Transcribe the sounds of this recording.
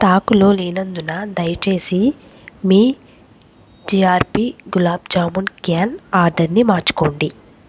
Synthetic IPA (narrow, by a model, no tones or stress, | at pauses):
t̪aːkulo̞ːliːnɐnd̪unɐd̪ɐjɐt͡ʃe̞ːsi | miː | d͡ʒiːaːɾpiːɡulaːb̚d͡ʒaːmunkjaːnaːɾɖɐɾnimaːt͡ʃu̥koːɳɖi